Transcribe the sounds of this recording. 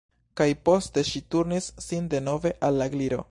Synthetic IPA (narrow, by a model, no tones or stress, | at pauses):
kajpo̞ste̞ʃituɾnisːinde̞no̞ve̞ʔalːaɡliɾo̞̰